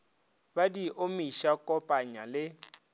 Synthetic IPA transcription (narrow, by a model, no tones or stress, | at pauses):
badiʔomiʃakʼɔpʼaɲalɪ